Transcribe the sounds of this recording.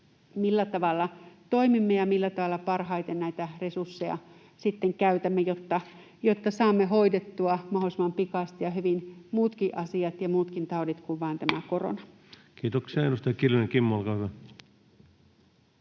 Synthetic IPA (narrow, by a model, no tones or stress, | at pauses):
milːæt̪ɑʋɑlːɑt̪o̞imimːejɑmilːæt̪ɑʋɑlːɑpɑrhɑjt̪ennæit̪ære̞sursːejɑ̰ | sit̪ːeŋkæyt̪æmːejot̪ːɑ | jot̪ːɑsɑːmːeɦho̞idet̪ːuɑmɑholisemɑmpikɑst̪ijɑɦyʋinmuːt̪kiʔɑsiɑt̪jɑmuːt̪kint̪ɑodit̪kuʋʋɑːnt̪æmæko̞ro̰nɑ | kiːt̪oksiɑedust̪ɑjɑkiljonekimːoolkɑːhyʋæ